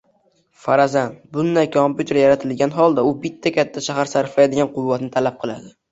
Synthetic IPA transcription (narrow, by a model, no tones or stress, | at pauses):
faɾazanbʊnd̪ajkʰompʲjut̪ʰe̞ɾjaɾat̪ʰɪlɡʲanɦɒlˠd̪aʊbɪt̪ʰːakʲʰat̪ʰːaʃahaɾsaɾɪfajd̪ɪɡʲanqʰʊvːat̪nɪt̪ʰalap̚qʰɨlˠad̪ɪ